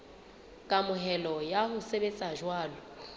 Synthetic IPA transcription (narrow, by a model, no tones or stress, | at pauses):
kʼamʊɦɛlɔjahʊsebet͡sʼaʒwaːlɔ